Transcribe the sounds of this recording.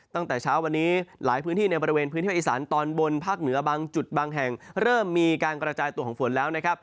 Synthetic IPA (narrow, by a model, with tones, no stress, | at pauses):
t̪a˥˩ŋt̪ɛː˨˩t͡ɕʰaː˦˥wa˧nːiː˦˥la̰ː˩˦jpʰɯː˦˥nt̪iː˥˩na˧jbɔ˧ɾi˧weː˧npʰɯː˧˦˥nːʰ˥˩˧iː˨˩saː˩˦nt̪ɔː˧nwo˧npʰaː˥˩k̚nɯ˩˦ɐbaː˧ŋt͡ɕu˨˩t̪̚baː˧ŋɦɛ˨˩ŋɾɤː˥˩mːiː˧kaː˧nkɾa˧t͡ɕaː˧jt̪u˧əkʰɔ˩˦ŋfo˩˦nlɛː˦˥wna˦˥kʰa˦˥p̚